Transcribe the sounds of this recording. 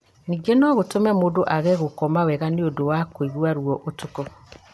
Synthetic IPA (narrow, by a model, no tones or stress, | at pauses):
niɡenɔɣotomɛmodoʔaɣɛɣokɔmawɛɣaneodowakwiɣwaɾuwɔʔotukɔ